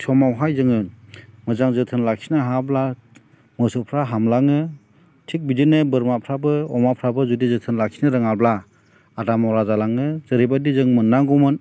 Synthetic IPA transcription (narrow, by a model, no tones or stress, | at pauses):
sʰɔmawɦajzɯŋɯmɯzaŋzɯtʰɯnlaksʰinaɦabla | mɯsɯpʰɾaɦamlaŋɯ | tʰik̚bidinɯbɯɾmapʰɾabɯɔmapʰɾabɯzudizɯtʰɯnlaksʰinɯɾɯŋabla | adamɔwɾazalaŋɯzɯɾibadizɯŋmɯnːaŋɡɔmɯn